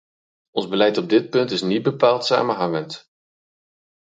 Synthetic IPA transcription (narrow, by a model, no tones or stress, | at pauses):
ʔɔnzbəlɛjtɔb̚dɪt̚pɵntɪsnid̚bəpaːlˠtsa̰ːmənɦɑŋənt